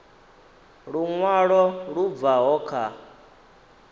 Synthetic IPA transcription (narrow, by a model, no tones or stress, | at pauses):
ɺuŋwaɺɔɺub̪vaɦɔːkʰa